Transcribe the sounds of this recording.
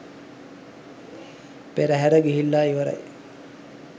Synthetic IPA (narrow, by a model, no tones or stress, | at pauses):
peɾæɦæɾəɡiɦilːaːiʋəɾa̰j